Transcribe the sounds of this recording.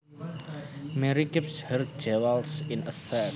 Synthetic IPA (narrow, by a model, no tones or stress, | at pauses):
mɛɾikɪpshɛr̥̚d͡ʒɛwalsɪnəsɛ